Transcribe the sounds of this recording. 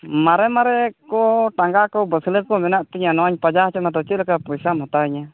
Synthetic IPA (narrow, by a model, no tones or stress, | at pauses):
maɾɛmaɾɛkɔʈaŋɡakɔwbəsləkɔmɛnaʔt̪iɲanɔwaɲpad͡ʒaɦt͡ʃɛmat̪ɔt͡ʃit̪̚lakapɔjsamɦɔt̪aiɲa